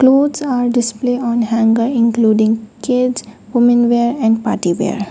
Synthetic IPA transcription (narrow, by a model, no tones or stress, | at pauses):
kloːzaːɾɖɪspleːɔ̃ːnhæ̃ŋɡəɾɪ̃ŋkluːɖɪ̃ŋɡkedzʋʊmə̃nʋeːɾɛ̃ɳɖpa̰ːʈiʋḛːɾ